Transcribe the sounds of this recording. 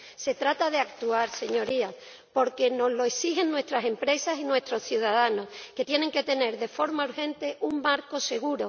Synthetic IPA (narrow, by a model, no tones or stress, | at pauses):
se̞t̪ɾat̪aðeak̚t̪uaɾse̞ɲo̞ɾia | po̞ɾke̞no̞zlo̞eksixe̞nːwe̞st̪ɾase̞mpɾe̞sasinwe̞st̪ɾo̞sθjuðaðano̞ske̞t̪je̞neŋke̞t̪e̞ne̞ɾðe̞fo̞ɾmauɾxẽ̞nt̪e̞ʔuŋmaɾko̞se̞ɣ̞uɾo̞